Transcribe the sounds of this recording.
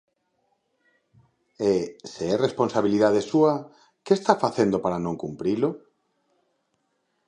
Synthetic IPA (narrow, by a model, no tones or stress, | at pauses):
eseɛresponsaβiliðaðesua | kest̪afaθend̪opaɾanõŋkumpɾilo